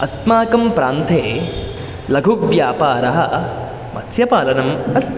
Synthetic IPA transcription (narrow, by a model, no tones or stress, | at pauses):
ɐst̪maːkɐmpɾaːnt̪ʰeː | lɐɡʱukʋjaːpaːɾɐɦɐ | mɐ̰t̪sjɐpaːlɐnɐmɐs